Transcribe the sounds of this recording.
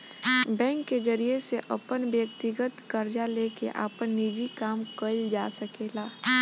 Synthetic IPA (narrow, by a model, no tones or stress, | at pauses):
bɛ̃ːŋkːezəɾijeseʔəpənbjək̚t̪ɪɡət̪kəɾd͡ʒaleːkḛʔa̰ːpənːid͡ʒikaːmkəld͡ʒaːsəkelaː